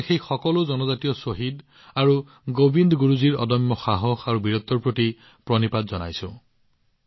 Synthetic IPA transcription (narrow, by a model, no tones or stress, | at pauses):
xejxɔkɔlʊzɔnɔzatijɔsoɦid | aɹu | ɡobindɡuɹuziɹɔ̰dɔmːɔxaɦɔxaɹubiɹɔt̪ːɔɹpɹoti | pɹɔnipadzɔna̰jsʊ̃